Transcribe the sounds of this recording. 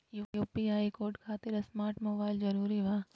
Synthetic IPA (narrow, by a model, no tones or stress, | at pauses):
juːjuːpiaːikoːɾʈkʰaːt̪ɪɾɐsmaːɾʈmoːbaːɪlzɐɾuːɾiʋaː